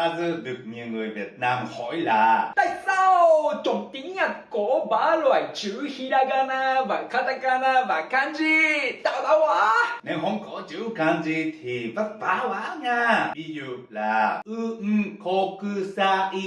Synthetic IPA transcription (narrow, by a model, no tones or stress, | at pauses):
azɨɗɨək̚ɲiəwŋɨəjviət̚naːmhɔjlaːt̪a̰ːjsawt͡ɕəŋ͡mt̪iŋɲaːkɔɓaːlwaːjt͡ɕɨhiɗaːɣaːnaːvaːkaːt̪aːkaːnaːvaːkaːnzit̪a̰ːwɗaːwwaːnewɦəŋ͡mkɔt͡ɕɨkaːnzit̪ʰivət̚vaːwaːŋaːvizṵlaːʔɨʔ̩kokɨsaːʔi